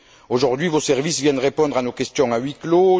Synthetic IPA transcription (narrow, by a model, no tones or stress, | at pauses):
oʒuʁd̪ɥivosɛʁvisvjɛ̃nəʁepɔ̃d̪ʁanokɛst̪jɔ̃ŋaɥiklo